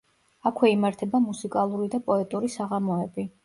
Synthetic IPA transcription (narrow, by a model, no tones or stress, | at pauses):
akʰwɛimaɾt̪ʰɛbamusikʼalˠuɾid̪apʼɔɛt̪ʼuɾisaʁamɔɛbi